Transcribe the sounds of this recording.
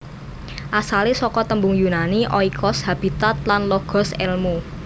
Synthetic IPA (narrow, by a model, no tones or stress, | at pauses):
ʔasalisɔkɔt̪əmbʊŋjunaniʔɔikʰɔshab̥i̤t̪at̪̚lanlɔɡ̥ɔ̤sɛ̰lmu